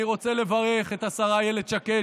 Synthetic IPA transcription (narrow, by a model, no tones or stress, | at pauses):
iʁo̞t͡sele̞vaʁe̞χe̞t̪asaʁajeled̪ʃake